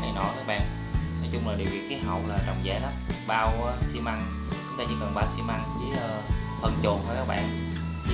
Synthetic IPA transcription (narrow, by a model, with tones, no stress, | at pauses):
a˨˩nɔ̰˧˨˦jkaː˦˥k̚ɓa̰ː˧˨n | nɔ˨˦jt͡ɕʊ˧ŋ͡mlaː˨˩ɗḭ˨wɓḭ˨˧˨ki˨˦ɦə̰˧˨wlaː˨˩t͡ɕɔ˨˩wŋ͡mzɛ̰˧˩˦nɔ˨˦ɓaː˧wsi˧ma˧ŋ | t͡ɕʊ˦ŋ͡mt̪aː˧t͡ɕḭ˧˨˦kə˨˩nɓaː˧wsi˧ma˧ŋzi˨˦əː˧fə˧˩nt͡ɕo˨˩nhʰjkaː˦˥k̚ɓa̰ː˧˨n˧˦